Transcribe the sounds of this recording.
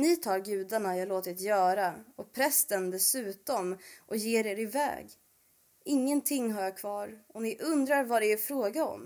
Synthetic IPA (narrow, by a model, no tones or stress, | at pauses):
nɪt̪ʰɑːɾɡʉ̟ːd̪aɳajɑːloːt̪ɪt̪jœːɾaɔpʰɾɛst̪ənd̪ɛsʉ̟ːt̪ɔmʔɔjeːɾeːɾɪvɛ̰ːɡ | ɪŋːənt̪ʰɪŋːɦaɾjakʰvɑːɾɔnɪʔɵnd̪ɾaɾvaɾɛɛɾfɾoːɡaɔ̰m